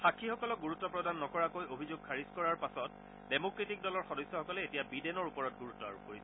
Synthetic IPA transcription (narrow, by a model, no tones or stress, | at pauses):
xakʰixɔkɔlɔk̚ɡuɹutːɔpɹɔdanːɔkɔɹakojobʱizoɡ̚kʰaɹizkɔɹaɹpasɔt̚ | demokɹitik̚dɔlɔɹxɔdɔjsjɔxɔkɔlɛetijabidɛnɔɹupɔɹɔt̚ɡuɹutːɔa̰ɹukoɹisɛ